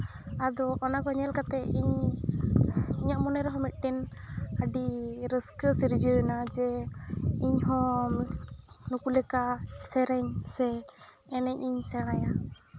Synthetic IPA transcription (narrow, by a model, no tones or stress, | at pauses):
ad̪ɔʔɔnakɔɲɛlkat̪ɛiɲ | iɲaʔmɔnɛɾɛɦɔ̃mit̪̚ˀʈɛnəɖiɾəskəsiɾd͡ʒənad͡ʒɛ | iɲɦɔ̃ | nukulɛkasɛɾɛɲsɛː | nɛɲ̚iɲsɛɽ̃aja